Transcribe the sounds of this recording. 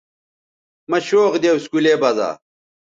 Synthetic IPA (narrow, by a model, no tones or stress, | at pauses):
mɐɕoːqd̪ewskulebɐza̰ː